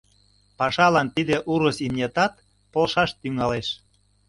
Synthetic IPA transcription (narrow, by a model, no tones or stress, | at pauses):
pɑʃɑlɑnt̪id̪eʔuɾəsimnʲet̪ɑt̪̚ | polʃɑʃt̪yŋɑleʃ